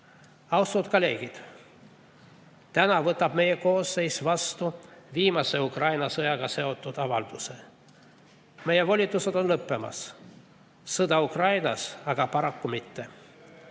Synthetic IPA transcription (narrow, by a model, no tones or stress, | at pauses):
ɑwst̪ud̪̥kɑle̞ːɡ̥id̪̥ | t̪ænɑvɤt̪ːˑɑb̥me̞jeko̞ːsːe̞jsvɑst̪uviːmɑse̞ukrɑjnɑsɤjɑɡ̥ɑse̞o̞t̪ːˑud̪̥ɑvɑld̪̥use̞ | me̞je̞vo̞lʲit̪ːˑuse̞d̪o̞nlɤpːe̞mɑ̰sː | ɤd̪̥ɑukrɑjnɑsɑɡ̥ɑpɑɾɑkːumit̪ːe̞